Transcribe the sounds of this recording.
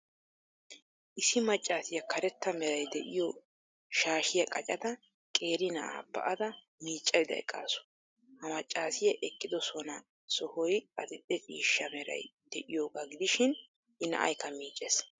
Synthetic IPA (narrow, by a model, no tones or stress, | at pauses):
ʔɪsɪmɐt͡ʃʼːaːsɪjɐkʰɐɾɛt̪ːɐmɛɾɐjd̪ɛʔɪjo | ʃaːʃɪjɐkʼɐt͡ʃʼɐd̪ɐ | kʼe̞ːɾɪnɐʔa̰ːbɐ̰ʔɐd̪ɐ | miːt͡ʃʼːɐjɪd̪ɐ̰ɛ̰kʼːa̰ːsʊ̥ | hɐmɐt͡ʃʼːaːsɪjɐʔɛkʼːɪd̪ɔsɔnɐ | sɔhɔjʼɐt̪ɪt̪ʼːɛt͡ʃʼiːʃːɐmɛɾɐ̰jd̪ɛʔɪjoːɡaɡɪd̪ɪʃɪn | ʔɪnɐ̰ʔɐ̰jkːɐmiːt͡ʃʼeːs